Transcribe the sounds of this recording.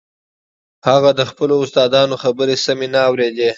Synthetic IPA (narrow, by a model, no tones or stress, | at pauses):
haɣad̪əxpəloʊst̪ɑd̪ɑnoxabəɾesamenaːwɾed̪e